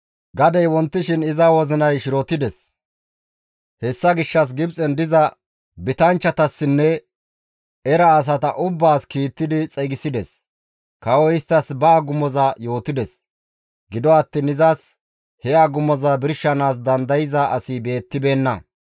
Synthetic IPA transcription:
ɡɐd̪ɛjwɔnt̪ːɪʃɪnɪzɐwɔzɪnɐjʃɪɾɔt̪ɪd̪ɛs | hɛsːɐɡɪʃːɐs̬ɡɪbt͡sʼɛnd̪ɪzɐ | bɪt̪ɐnt͡ʃːɐt̪ɐsːɪnːɛ | ɛɾɐːs̬ɐt̪ɐʔʊbːaːskiːt̪ːɪd̪ɪt͡sʼɛɡɪsɪd̪ɛs | kɐwɔɪst̪ːɐsbɐːɡʊmːɔzɐjo̞ːt̪ɪd̪ɛs | ɡɪd̪ɔɐt̪ːiːnɪzas | hɛaɡʊmːɔzɐbɪɾʃːɐnaːs̬d̪ɐnd̪ɐjɪzɐʔɐsibe̞ːt̪ːɪbe̞ːnːɐ̰

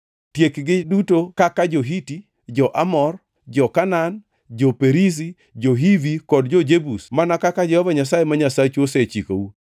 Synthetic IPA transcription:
tjekɡɪdutokakad͡ʒoɦiti | d͡ʒɔʔamɔr | d͡ʒɔkanan | d͡ʒopeɾis̬i | d͡ʒoɦivikɔdd͡ʒɔd͡ʒebusmanakakad͡ʒɔhɔvaɲas̬ajemaɲasat͡ʃoset͡ʃiko̰u

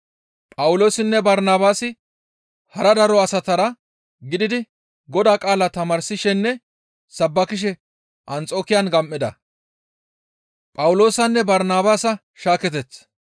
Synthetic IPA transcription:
pʼɐwʊlo̞ːsɪnːɛbɐɾnaːbaːsɪ | hɐɾɐd̪ɐɾɔɐsɐt̪ɐɾɐ | ɡɪd̪ɪd̪ɪ | ɡɔd̪aːkʼaːlɐt̪ɐmɐɾsɪʃɛnːɛ | sɐbːɐkɪʃ̬ɛ | ʔɐnt͡sʼo̞ːkɪjɐnɡɐmʔːɪd̪ɐ | pʼɐwʊlo̞ːsɐnːɛbɐɾnaːbaːsɐ | ʃaːkɛt̪ɛt͡sː

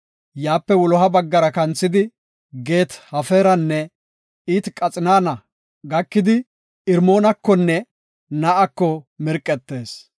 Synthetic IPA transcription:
jaːpːɛwɔlɔɦɐbɐɡːɐɾɐkɐnt͡sːɪd̪ɪ | ɡe̞ːt̪hɐfe̞ːɾɐnːɛ | iːt̪kʼɐt͡sʼɪnaːnɐ | ɡɐkːɪd̪ɪ | ɪɾmo̞ːnɐkːɔnːɛ | nɐʔɐkːɔmɪɾkʼːɛt̪ːe̞ːs

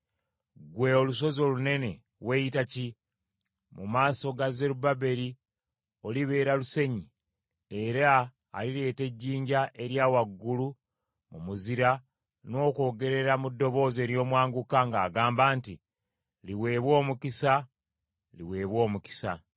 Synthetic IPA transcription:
ɡwe̞oluso̞zo̞lune̞ne̞ | we̞itaci | mumaːso̞ɡaze̞ɾubabe̞ɾi | o̞liβe̞ːɾaluse̞ɲi | eɾa̰ː | liɾe̞ːte̞ɟːiːɲɟaʔe̞ɾjaːwaɡːulu | mumuziɾa | no̞ːko̞ːɡe̞ɾe̞ɾamudːo̞βo̞ːze̞ːɾjo̞ːmwaːŋɡukaŋɡaːɡaːmbaːnti | liwe̞ːβwo̞ːmukisa | liwe̞ːβwo̞ːmuki̥sa

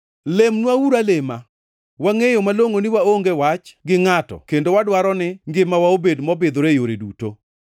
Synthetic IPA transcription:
lemnwawuɾalema | waŋejomaloŋonɪwaoŋɡewat͡ʃɡɪŋatɔ̰kendowadwaɾɔnɪŋɡɪmawaobedmɔbɪd̪oɾejoɾedṵto̰

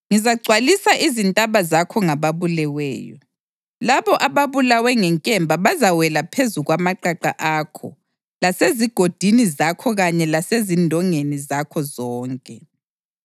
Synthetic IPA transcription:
ŋizaɡ͡ǀʱwalisaʔizintʼaβazakʰɔŋaβaβulɛwɛ̰ːjɔ̰ | laβɔʔaβaβulawɛŋɛŋkʼɛmbʱaβazawɛlapʰezuɣwamaǃaǃa̰ʔaːkʰɔ̰ | laseziɡ̥ʱod̥ʱinizakʰɔɣaɲɛlasezindʱɔŋenizakʰɔzɔːŋkʼɛ

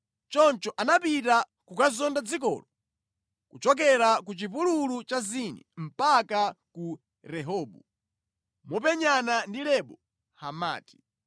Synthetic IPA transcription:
t͡ʃɔnt͡ʃɔʔanapita | kukazɔndad͡zikɔ̰lɔ | kut͡ʃɔk̬ɛɾak̬ut͡ʃip̬ululut͡ʃazinɛm̩paka | ku | ɾɛɦɔːɓu | mɔp̬ɛɲanandilɛɓɔ | hama̰ːti̥

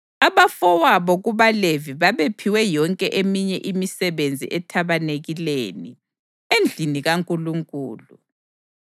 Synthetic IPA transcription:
aβafɔwaβɔɣuβaleviβaβepʰiwɛjɔŋkʼɛʔemiɲɛʔimisɛβend͡zʱḭʔɛtʰaβaneɣilḛːnḭ | end͡ɮʱiniɣaŋkʼuluŋkʼuːlu

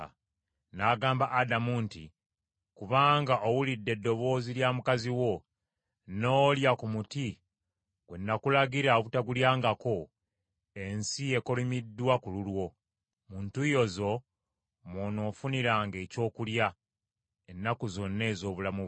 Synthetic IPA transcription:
naɡaːmbaʔːdamuntḭ | kuβaːŋɡaʔowulidːe̞dːo̞βo̞ːziljaːmukaziwo̞ | no̞ːljakumuti | ɡ̥we̞nːakulaɡiɾaoβutaɡuljaːŋɡako̞ | ensie̞ko̞limidːwakululwo̞ | muːntujo̞zo̞ | mono̞ːfuniɾaːŋɡe̞ːco̞ːkulja | enːakuzo̞nːe̞ːzo̞ːβulamuβ

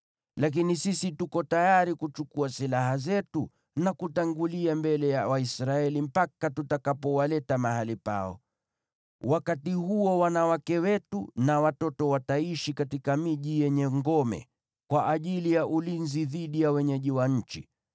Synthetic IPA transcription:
lak̬inisisitukɔtajaɾikut͡ʃukuasilaɦazɛtu | nakutaŋɡuliambɛlɛjawaisɾaɛlim̩pakatutakapɔwalɛtamaɦalipa̰ɔ̰ | wakatihuɔwanawakɛwɛtunawatɔtɔwataiʃikatikamiʄijɛɲɛŋɡɔmɛ̰ | kwaʔaʄilijaʔulinziðiɗijawɛɲɛʄiwaɲ̩t͡ʃḭ

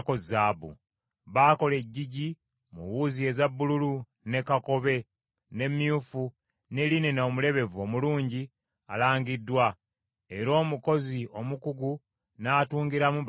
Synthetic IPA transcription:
koabṵ | βaːko̞le̞ɟːiɟi | muwuzie̞zabːululu | ne̞kako̞βe̞ | ne̞mjufu | ne̞linenoːmule̞βe̞vo̞muluːɲɟi | a̰laːŋɡidːwa | e̞ɾo̞ːmuko̞zio̞mukuɡu | naːtuːŋɡiɾamu

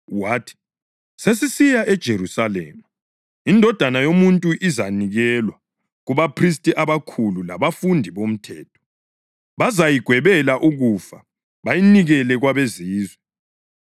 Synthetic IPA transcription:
waːtʰi̥ | ses̬isijaʔɛd̥ʒ̥ʱerusalḛːmu | indʱɔd̥ʱanajomuntʼuʔizaniɣɛlwa | ɣuβapʰris̬tʼiʔaβakʰulula̰βafundʱiβom̩tʰɛːtʰɔ̥ | βazajiɡ̥ʱwɛβɛlaʔuɣufa | βajiniɣɛlɛɣwaβeziːzwɛ

